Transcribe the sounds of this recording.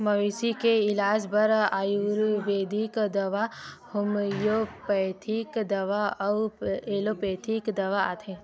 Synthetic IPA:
mɐʋiːsikeɪlaːd͡ʒbɐɾaːjuɾʋeːd̪ikd̪ɐʋa | hʊmjopɐt̪ʰikd̪ɐʋaɐeːlopeːt̪ʰikd̪ɐʋaa̰ːt̪ʰẽː

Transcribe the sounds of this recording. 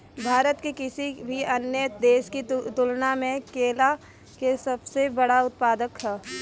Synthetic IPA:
bʱaːɾət̪kikɪsibʱiɐnjəd̪eːʃkit̪ʊlnamẽkeːla | kesɐbsebɐɽaʊt̪paːd̪əkɦɛː

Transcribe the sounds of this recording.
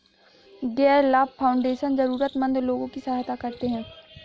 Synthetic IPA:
ɡɛːɾlaːbpʰːaːʊ̃ɳɖeːʃənzɐɾuːɾət̪mə̃nd̪loːɡõkisɐɦɦt̪akɐɾt̪eɦɛ̃ː

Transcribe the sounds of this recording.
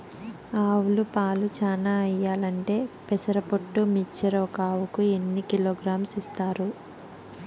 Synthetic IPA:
aːwulupaːlut͡ʃaːnaːɐjːaːlɐɳʈe̞ːpɛsɐɾɐpoʈːumit͡ʃːɐɾoːkaːwukue̞nːikiloːɡɾaːmsist̪aːɾu

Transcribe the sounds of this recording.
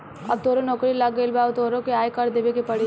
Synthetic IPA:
ɐ̰b̚t̪oːɾõnɔːkɾilɐɡːəilbaːʋt̪oːɾõkeaːjkɐɾd̪eːʋekepɐɽi

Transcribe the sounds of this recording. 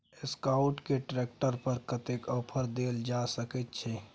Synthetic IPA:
ɪskaʊʈkeʈɾeːkʈəɾpəɾkət̪ekɔːpʰəɾd̪eːld͡ʒaːsəkət̪̚t͡ʃʰɛː

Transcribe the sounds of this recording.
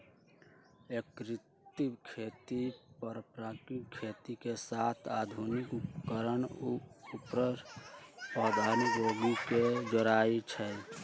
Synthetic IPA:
ekɾɪt̪ikʰet̪ipəɾpɾakikʰet̪ikesat̪ʰad̪ʱunikkəɾənupɾə | pəd̪ʱənɾoɡiked͡ʒoɾaːit͡ʃʰɛ

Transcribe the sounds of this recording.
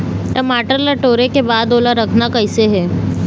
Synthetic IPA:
təmaʈəɾlaʈoɾekebad̪olaɾəkʰnakəjseɦe

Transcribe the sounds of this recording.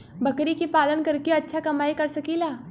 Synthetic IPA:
bɐkɾikipaːlənkɐɾkeɐtːʃʰakɐmaːikɐɾsɐkilaː

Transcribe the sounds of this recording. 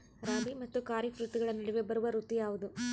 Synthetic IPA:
ɾaːbimɐt̪ːukaːɾifɾut̪ːiɡɐɭɐnɐɽɛʋebɐɾuʋɐɾut̪ːijaːʋud̪u

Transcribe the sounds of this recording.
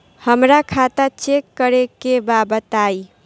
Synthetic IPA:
həmɾakʰat̪at͡ʃekːəɾekebabət̪aj

